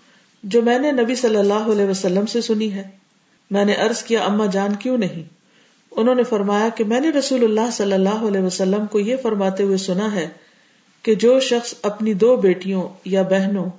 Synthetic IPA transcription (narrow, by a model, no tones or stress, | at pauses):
d͡ʒoːmɛ̃ːnenɐbisɐlːəlːaːɦoɐlɛːʋɐsɐlːəmsesʊniɦɛː | mɛ̃ːneʔɐɾzkijaʔɐmːad͡ʒaːnkjũnɐɦĩː | ʊnɦõːnefɐɾmaːjakemɛ̃ːneɾɐsuːlʊlːaːɦsɐlːəlːaːɦoɐlɛːʋəsɐlːəmkojefɐɾmaːt̪eɦʊesʊnaɦɛ | ked͡ʒoːʃɐxsɐpnid̪oːbeːʈijõjabɛɦnõ